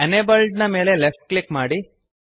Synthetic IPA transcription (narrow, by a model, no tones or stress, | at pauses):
ɐnebɐlɖnɐme̞ːle̞lefʈ̚klikmaːɽi